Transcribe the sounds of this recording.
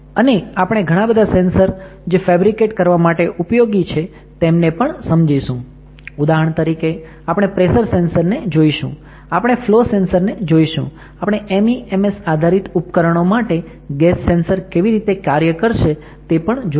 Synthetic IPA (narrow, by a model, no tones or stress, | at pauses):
əneapəɽ̃eɡʱəɽ̃ãbəd̪ʱasensəɾ | d͡ʒefɛbɾikeʈkəɾʋamaʈeʔupjoɡit͡ʃʰe | t̪emnepəɳsəmd͡ʒaiʃũ | ud̪aɦəɳ̃t̪əɾike | apɽ̃epɾesəɾsensəɾned͡ʒoiʃṵ̃ | apəɽ̃eflosensəɾned͡ʒoiʃṵ̃ | apɽ̃eʔemiemesad̪ʱaɾit̪upkəɾəɳ̃omaʈe | ɡɛsːensəɾkeʋiɾit̪ekaɾjəkəɾʃe | t̪epəɳd͡ʒo